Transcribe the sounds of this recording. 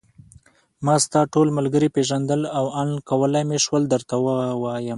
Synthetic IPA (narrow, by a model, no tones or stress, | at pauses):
mɑst̪ɑʈolmalɡəɾipeʒand̪əlawankawəlajmeʃwəld̪əɾt̪awawɑjəm